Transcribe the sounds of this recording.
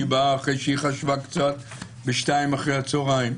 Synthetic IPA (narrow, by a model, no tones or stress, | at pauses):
ibaːχʁejʃiχaʃvakt͡sat̪̚ | bɪʃtajmaχʁehat͡soʁajm